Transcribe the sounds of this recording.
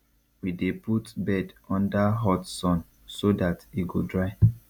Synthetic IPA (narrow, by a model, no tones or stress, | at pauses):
wideputbɛdɔ̃ndaɦɔtsɔ̃n | sodatiɡodɹaɪ